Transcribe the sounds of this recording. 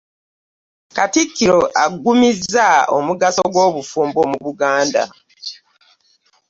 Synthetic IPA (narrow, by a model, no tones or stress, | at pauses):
katikːiɾoʔaɡːumizːao̰muɡasoɡwo̞ːβufuːmbomuβuɡaːnda̰